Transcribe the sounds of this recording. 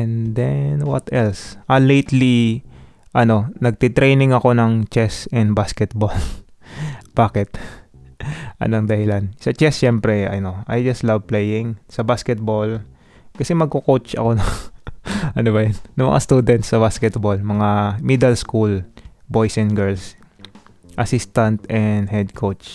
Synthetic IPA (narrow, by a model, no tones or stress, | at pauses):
ɛnd̪ɛnwɐt̪ɛlsʔɐlejt̪li | ʔɐno̞nɐɡ̚t̪ɪt̪ɾejnɪŋɐko̞nɐŋt͡ʃɛsɛnd̪̚baskɛt̪̚bol | b̥aːkɛt̪ | ʔɐ̰noŋd̪ɐhɪlansɐt͡ʃɛsːɛmpɾɛɐ̰jnoajd͡ʒɐst̪lɐvplejɪ̃ŋsɐbaskɛt̪̚bol | kɐsɛmɐɡ̚kokot͡ʃɐ̰ko̞nɐŋ | ʔɐnobɐjanːɐŋmɐ̰ŋʔa̰st̪uːd̪ɛnt̪sɐbaskɛt̪̚bolmɐŋamid̪ɛlskul | bo̞jsɛnɡɛɹls | ʔɐsist̪ɐnt̪ɛnd̪hɛd̪̚kʰot͡ʃ